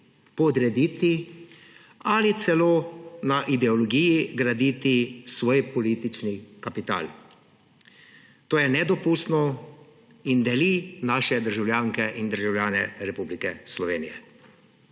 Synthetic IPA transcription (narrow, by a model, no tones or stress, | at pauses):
pɔd̪ɾɛd̪it̪i | alit̪sɛloːnaʔid̪ɛɔlɔɡijiɡɾad̪iːt̪isʋoːjpɔliːt̪it͡ʃnikapit̪a̰ːl | t̪oːjɛnɛd̪ɔpuːst̪nɔ | ind̪ɛlinaːʃɛd̪əɾʒawlʲjaːŋkɛʔind̪əɾʒawljaːnɛɾɛpublikɛslɔʋeːnijɛ